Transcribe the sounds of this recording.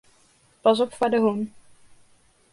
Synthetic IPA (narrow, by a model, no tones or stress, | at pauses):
pɑs̬ɔpfadəɦun